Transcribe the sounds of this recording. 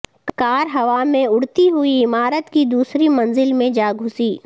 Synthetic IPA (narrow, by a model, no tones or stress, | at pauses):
kaːɾɦɐʋamẽʊɽt̪iɦʊiɪmaːɾət̪kid̪uːsɾimɐ̃nzɪlmẽd͡ʒaːɡʱʊsiː